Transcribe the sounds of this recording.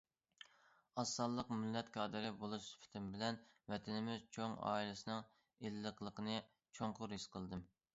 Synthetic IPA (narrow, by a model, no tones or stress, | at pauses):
ɑsːɑlˠːəqmylːɛt̪kʰɑːd̪ɨɾɪbolˠuʃspʰɪ̥t̪ʰɪmbɪlɛnvɛt̪ʰɪnɪmɪzt͡ʃʰoŋɑ̰ːilɪsɨnɨŋ | elːəqlˠəqʰənɨ | t͡ʃʰoŋqʰʊɾhisqʰəlˠd̪ɨm